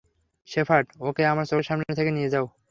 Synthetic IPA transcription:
ʃepʰaʈokeamaɾt͡ɕoɾʃamnnet̪ʰekenijed͡ʑao

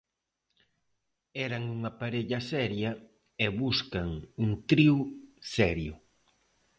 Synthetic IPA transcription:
ɛɾɐŋuŋɐpaɾeʎɐsɛɾjɐ | ɛβuskɐŋuŋt̪ɾiwsɛɾjʊ

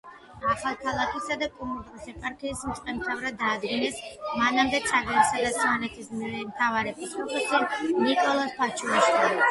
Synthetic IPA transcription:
aχalˠkʰalˠakʰisad̪akʼumut̪ʼɾusɛpʼaɾk̪ʰiːsmt̪sʼqʼɛmt̪ʰavɾad̪aːd̪ɡinɛsmanamd̪ɛt̪sʰʼaɡɛnisad̪at̪sʰmanɛt̪ʰismiɛmt̪ʰavaɾɛbisɔχɛsinikʼɔlˠɔspʰat͡ʃʰuaʃka

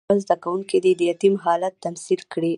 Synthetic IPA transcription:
azd̪akawuŋkid̪ed̪əjat̪imɦɑlat̪ːamsilkɽi

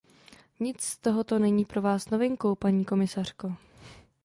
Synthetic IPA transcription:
ɲɪt͡sst̪o̞ɦo̞t̪o̞nɛɲiːpɾo̞vaːsno̞vɪŋko̞wpaɲiːko̞mɪsar̥ko̞

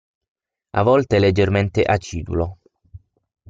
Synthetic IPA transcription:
a̰vɔlt̪eled͡ʒːerment̪eʔat͡ʃːiːd̪ṵlo

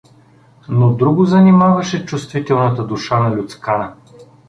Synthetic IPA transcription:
nod̪ɾuɡʊzɐnimavɐʃɛt͡ʃust̪vit̪ɛlˠnət̪əd̪uʃanɐlʲʊt̪skanə

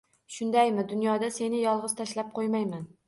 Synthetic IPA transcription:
ʃʊnd̪ajmɪd̪ʊnjɒd̪ase̞nɪjɒlˠʁɨzt̪ʰaʃlap̚qʰojmajman

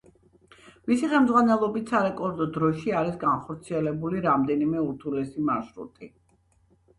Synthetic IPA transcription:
misiχɛmd̪zʁwanɛlˠɔbit̪ʰsaɾɛkʼɔɾd̪ɔd̪ɾɔʃiaɾisɡanχɔɾt̪sʰiɛlɛbuliɾamd̪ɛnimɛuɾt̪ʰulɛsimaɾʃɾṵt̪ʼi

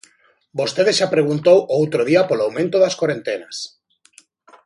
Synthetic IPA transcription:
bost̪eðesʃapɾeɣunt̪owowt̪ɾoð̞iapolawmẽnt̪oðaskwoɾent̪enas

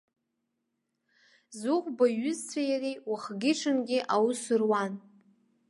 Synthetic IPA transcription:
zʊχʷbaɥʏzt͡sʷʰajarijwaχɡʲɪʈ͡ʂʰɨnɡʲɪʔawusɨrwan

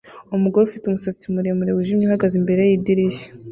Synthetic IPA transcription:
omuɡoɾeufitumusat͡simuɾemuɾewuʒimɲihaɡazimbe̞ɾejidiɾije̥

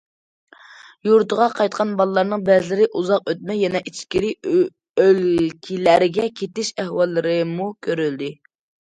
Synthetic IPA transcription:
juɾt̪ʰəʁɑqʰɑjt̪̚qʰɑnbɑlˠəlˠɑɾnɨŋbɛzlɪɾɪʔuzɑq̚øt̪̚mɛjɛnɛʔit͡ʃʰkʲiɾi | ølkʲʰilæɾɪɡʲɛkʲʰet̪ɪʃɛhwɑlˠːɨɾɨmukʲʰøɾyld̪ɪ

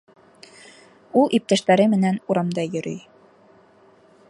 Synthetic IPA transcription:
ulˠʔip̚t̪æʃt̪æɾɘmɘ̆nænuɾɑmd̪ɑjɵ̆ɾɵ̰j

